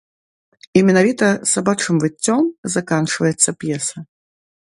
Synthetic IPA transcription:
imʲɛnavʲit̪ɐsabat͡ʂɨmvɨt͡sʲːɔmzakant͡ʂɨvɐjɛt̪sːɐpjɛsɐ

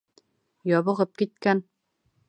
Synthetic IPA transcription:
jɒβɤ̆ʁɤp̚kit̪̚kæn

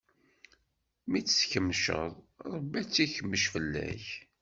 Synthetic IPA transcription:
mit͡sːsçəmːʃə̰ðˤ | ɾˤəbːæt͡sːiçəmːəʃfəlːæ̰ç

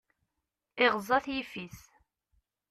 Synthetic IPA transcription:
ɪʁzˤɑθjifiθ

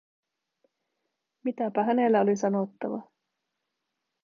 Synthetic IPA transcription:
mit̪æpæɦæne̞lːæo̞lisɑnot̪ːɑʋɑ

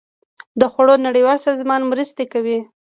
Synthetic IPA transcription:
d̪əxaɽonaɽiwɑlsɑzmɑnmɾəst̪ekawi

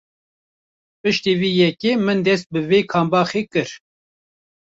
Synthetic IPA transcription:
pɨʃt̪iːviːjɛkeːmɨnd̪ɛst̪̚bɨveːkʰɑːmbɑːxeːkɨɾ

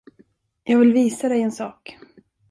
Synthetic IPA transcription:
jɑːɡvɪlviːsad̪ɛjɛnsɑːk

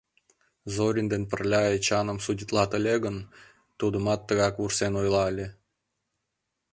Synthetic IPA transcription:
zoɾʲind̪enpə̆rlʲɑet͡ɕɑnə̆msudʲit̪lɑt̪ə̆lʲeɣə̆n | t̪ud̪əmɑt̪ːəɣɑkβursenojlɑlʲe

